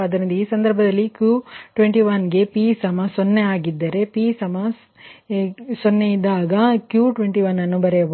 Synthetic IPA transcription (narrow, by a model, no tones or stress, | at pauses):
ɐd̪ɐɾind̪ɐiːsɐnd̪ɐɾbʱɐd̪ɐlːikjuʈʋeɳʈiʋɐnɡe̞pisɐmɐsonːeaːɡid̪ːɐɾe̞pisɐmɐ | sonːejid̪ːaːɡɐkjuːʈʋeɳʈiʋɐnːɐnːubɐɾe